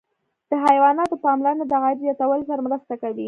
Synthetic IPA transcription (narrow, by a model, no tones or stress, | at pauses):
d̪̥əɦajwɑnɑt̪opɑmlaɾnod̪aɣajd̪zjɑt̪awəlzaɾmɾast̪akawi